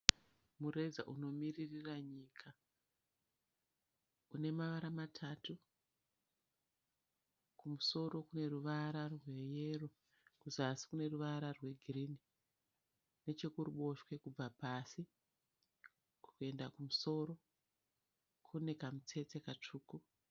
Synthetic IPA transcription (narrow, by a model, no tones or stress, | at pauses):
mure̞d͡za̰ʔuno̞miririraɲiːkʰa | une̞maʋaɾamatʰatu | kumuso̞ɾo̞kune̞ruʋaɾarwe̞je̞ro | kuzasi̥kune̞ruʋaɾarwe̞ɡʱirini | ne̞t͡ʃe̞kuruɓo̞ʃwe̞kub͡vapasi | ku̥kue̞ndakumuso̞ɾo̞ | kʰune̞kamut͡se̞t͡sekat͡ʂuːku